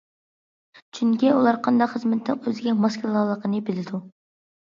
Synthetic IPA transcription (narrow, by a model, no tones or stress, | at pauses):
t͡ʃʰyŋkʲiulˠɑɾqʰɑnd̪ɑqχəzmɪt̪ʰːɪ̰ŋøzɪɡʲɛmɑskʲʰlˠɑlˠəqənɨbɪlɪd̪u